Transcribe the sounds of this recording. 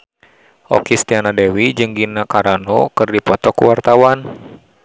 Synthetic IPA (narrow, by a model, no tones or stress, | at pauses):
ʔɔ̰kist̪ianadɛwid͡ʒɨŋɡinakaɾanɔkɨrdipɔt̪ɔkuwart̪awan